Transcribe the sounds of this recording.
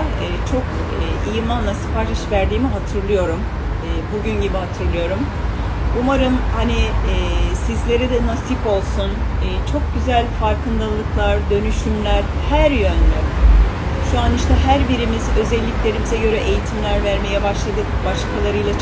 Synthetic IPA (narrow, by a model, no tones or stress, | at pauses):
t͡ʃʰo̞kːijɯmlˠanlˠasɯ̥paɾt͡ʃʰiʃvæɾd̪iːmiɦat̪ʰɯɾlˠɯjo̞ɾumː | buɟynɟibihat̪ʰɯɾlˠɯjo̞ɾum | umaɾɯmhaniː | sizlʲe̞ɾɛd̪ɛnasipo̞lˠsunːt͡ʃʰo̞k̚ɟyzælʲfaɾkʰɯnd̪alˠɯklˠaɾd̪ø̞nyʃymlʲæɾhæɾjønd̪ɛ | ʃuaniʃt̪ʰɛɦæɾbiɾimizø̞zɛlʲːiclʲe̞ɾimizɛɟø̞ɾɛʔejit̪ʰimlʲæɾvæɾme̞jɛbaʃlˠad̪ɯbaʃkʰalˠaɾɯjlˠa